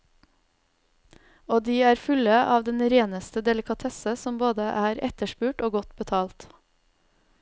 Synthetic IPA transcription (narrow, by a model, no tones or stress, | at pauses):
oːd̪iːæːɾfʉləʔɑːʋd̪ɛnɾeːnəst̪əd̪ɛlɪkʰɑt̪ʰɛsəsɔmboːd̪əʔæːɾɛt̪əʃpʉːʈoːɡɔt̪bət̪ʰɑːlt̪